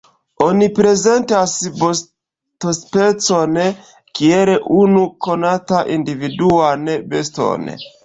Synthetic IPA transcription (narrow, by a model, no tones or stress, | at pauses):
onipɾe̞ze̞ntasbos | tospet͡so̞n | kieleʔunuko̞nataʔindividuanebesto̰n̰